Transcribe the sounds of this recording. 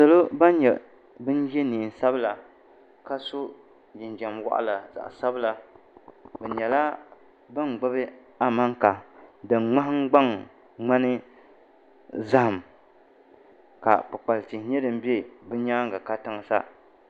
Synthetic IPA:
sa˨lo˦ba˦n˦ɲɛ˨ | bɨ˦n˦jɛ˦niː˨n˨sa˦bla˨ | ka˦so˦ | d͡ʒɪ˨n˨d͡ʒa˨mwa̰˦ʔa̰˦la˨za̰˨ʔa̰˨sa˦bla˨ | bɛ˨ɲɛ˨la˦ | bɨ˦n˨ɡ͡bʊ˦bɨ˦ | a˦ma˦ŋka˨dɨ˨nŋ͡ma˦ɦŋ˦ɡ͡ba˦ŋ | ŋ͡ma˦nɨ˦ | za˦ha˨m | ka̰˨pɨ˨k͡pa˨lti˨˦ɲɛ˦dɨ˨m̩˦be˦bɨ˦ɲaː˦ŋ˦ɡa˨ka˦tɨ˦ŋ˦sa̰˦

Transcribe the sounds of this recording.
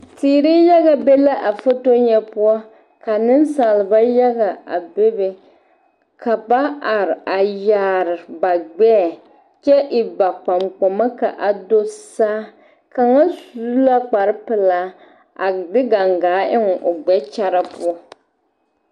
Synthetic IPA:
tiː˨ɾi˦ja˦ɣa˨be˦la˦ʔa˨fo˦to˦ɲɛ˦pʊ˦ɔ˦ | ka˨nɨ˦nsaː˨lɨ˨ba˦ja˦ɡa˨a̰˨be˦be˨ | ka˨ba˦ʔa˨ɾa˨ja˨ɾɪ˨ba˨ɡ͡bɛ˦˨ | t͡ʃɛ˦ʔɪ˨ba˨k͡pa˨mk͡po˨ma˦ka˨ʔa˨do˦saː˦ | ka˨ŋa˦su˦la˦k͡pa˨ɾɨ˦pɨ˨laː˦ | a˨dɪ˦ɡa˨ŋɡaː˨˦ɪ˦ŋ˨ʔo˨ɡ͡bɛ˦t͡ʃa˦ɾa˦pʊ˦ɔ˦

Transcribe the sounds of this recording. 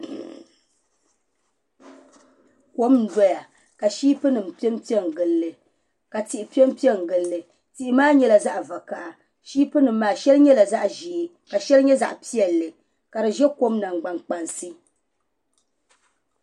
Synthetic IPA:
ko˦mn̩˨˦dɔ˦ja˨ | ka˨ʃiː˦pɨ˦nɨ˨mpi˦ɛ˦m˦pi˦ɛ˦ŋ˨ɡɨ˨lːɨ˨ | ka˨ti˨ʔɪ˨pi˦ɛ˦m˦pi˦ɛ˦ŋ˨ɡɨ˨lːɨ˨ | ti˨ʔi˦maː˦ɲɛ˦la˨za˦ʔva˨ka˨ʔa˨ | ʃiː˦pɨ˦nɨ˨m̩ː˦aː˨ʃɛ˦lɨ˦ɲɛ˦la˨za˦ʔʒi˨ | ka˨ʃɛ˦lɨ˦ɲɛ˦za̰˨ʔpi˦ɛ˨lːɨ˨ | ka˨ɾɨ˨ʒɛ˦ko˦mna˨ŋ˨ɡ͡ba˨ŋk͡pa˨nsɨ˦

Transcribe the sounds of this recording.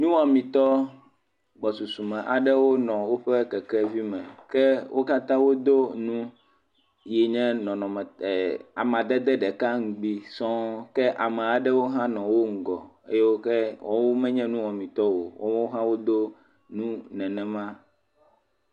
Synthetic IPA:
nũ˦wɔ̃˨mĩ˨t̪ɔ˦ | ɡ͡bɔ˨su˨su˨mɛ̃˨ʔa˨ɖɛ˦wo˦nɔ̃˨wo˦ɸɛ˦kɛ˨kɛ˦vi˦mɛ̃˨kɛ˦wʔo˦ka˦t̪ã˦wo˦d̪o˦nũ˦ | jɛ˨ɲɛ̃˦nɔ̃˨nɔ̃˨mɛ˨a˨m̃˨a˨d̪ɛ˦d̪ɛ˦ɖɛ˨ka˦ŋ̩˨ɡ͡bi˦sɔ̃˦kɛ˦ʔa˨mɛ˨a˨ɖɛ˦wo˦ɦã˦nɔ̃˨wo˦ŋ̩˨ɡɔ̰˨ | ḛ˦jɛ˦wo˦kɛ˦wɔ˦wo˦mɛ̃˦ɲɛ̃˦nũ˦wɔ̃˨mĩ˨t̪ɔ˦wo̰˨wo̰˦ɔ̃˦ɦã˦wo˦d̪o˦ | nũ˦nɛ̃˨nɛ̃˨mã˦

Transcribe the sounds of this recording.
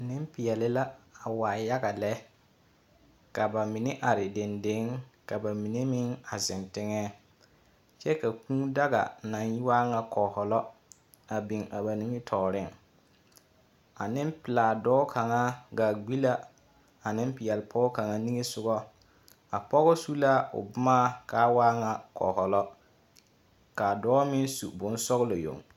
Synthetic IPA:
nɪ˦mpɪ˨jɛ˨lɪ˦la˦a˨waː˨ja˦ɡa˨lɛ˦ | ka˨ba˨mɪ˨nɪ˦ʔa˨ɾɪ˨de˨nde˨˦ŋka˨ba˨mi˨ne˦mɪ˦ŋa˨zɪ˨ntɪ˦ŋɛː˦ | t͡ʃɛ˦ka˨kũː˦da˦ɡa̰˨na˨nji˦waː˦ŋa˦kɔ˨hɔ˨lɔ˦ | a˨bi˨ŋa˨ba˨ni˦ŋɪ˦tʰɔː˨ɾɪ˦˨ŋ | a̰˨nɪ˦mpɪ˨laː˨dɔː˦kʰa˨ŋa˦ɡa˨ɡ͡bi˦la˦ | a˨nɪ˦mpɪ˨jɛ˨lpʰɔ˦ɔ˦ka˨ŋa˦ni˦ŋe˦sʊ˦ɡɔ˦ | a˨pɔ˦ɣɔ˦su˦la˦ʊ̰˨bʊ˦maː˦ka˦waː˦ŋa˨kɔ̰ː˨hɔ˨lɔ˦ | ka˨dɔː˦mɪ˦nsu˨bʊ˨˦n˦sɔ˦ɣlo˨jo̰˨ŋ

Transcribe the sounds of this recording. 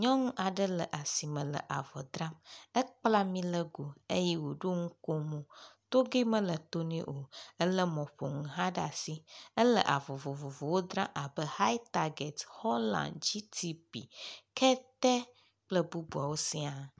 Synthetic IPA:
ɲɔ̃˦ŋũ˦ʔa˨ɖə˦lə˨ʔa˨si˨mə̃˨lə̰˨ʔa˨vɔ̰˨d̪ɾã˦mə˦k͡pla˦mĩ˦lə˦ɡo˨e˦jɛ˦wo˨ɖo˦ŋũ˦ko˦mũ˨t̪o˦ɡe˦mə̃˦lə˨t̪o˦nḛ̃˦ʔo˨ə˦lə˦mɔ̃˨ɸo̰˨ŋũ˨ɦã˦ɖa̰˨si˦ə˦lə̰˨ʔa˨vɔ˨vo˨vo˨vo˨wo˦d̪ɾã˦ʔa˨bə˦ha˦jt̪a˨ɡɛ˨thɔ˦lã̰˨nd͡ʑi˦t̪ʰi˦bḭ˨kʰɛ˦t̪ɛ˦ | k͡plə˦bu˦bu˨a˨wo˦si˦a˨

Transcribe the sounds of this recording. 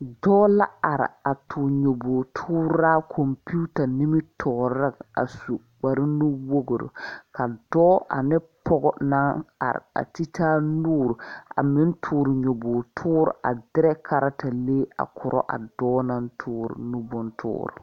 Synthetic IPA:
dɔː˦la˦a˨ɾɪ̰˨a˨tʰʊ˨ɲo˨boː˨tʰʊː˦ɾa˦kʰo˨mpu˦ta˨ni˦mɪ˦tʰɔ˨ɾa˦˨a̰˨su˨ | k͡pa˨ɾɪ˦nʊ˦wo˦ɡo˨ɾo̰˨ka˨dɔː˦ʔa̰˨nɪ˦ | pɔ˦ɡɔ˦˨na˦ŋa̰˨ɾɪ̰˨a̰˨ti˦tʰaː˦nuː˦ɾʊ˨a̰˨mɪ˦n˦tʰuː˨ɾɪ˨ɲo˨boː˨tʰʊː˦ɾʊ̰˨ʔa̰˨dɪ˦ɾɛ˦kʰa˨ɾa˦ta˨leː˦a̰˨kʰʊ˨ɾʔɔ̰˦ʔa̰˨dɔː˦na˦n˦tʰʊː˦ɾʊ̰˨nu˦bʊ˦ntʰʊ̰ː˦ɾʊ̰˨

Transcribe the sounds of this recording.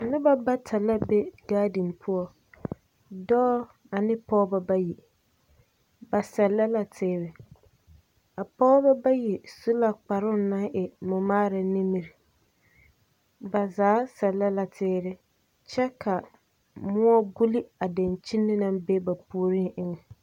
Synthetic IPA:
nɪ˦ba˦ba˦tʰa˨la˦be˦ɡ̥aː˦dɪ˨npʰʊ˦ɔ˦ | dɔː˦ | a˨nɪ˦pɔː˦ba˦ba˦ji˨ | ba˨sɛ˨lːa˦la˨tʰɪː˦ɾɪ˨ | a˨pɔː˦ba˦ba˦ji˨su˦la˨k͡pa˨ɾʊ˦na˦ŋʔɛ˨mʊ˨maː˦ɾa˨nɪ˦mi˨ɾɪ˨ | ba˨zaː˨˦sɛ˨lːa˦la˨tʰɪː˦ɾɪ˦ | t͡ʃɛ˦kʰa˨ | mʊ˦ɔ˦ɡu˦li˦a˨da˨nt͡ʃi˦nːɪ˦na˦mbe˦ba˨pu˨ɾi˦ʔɪ˦ŋɛ˨

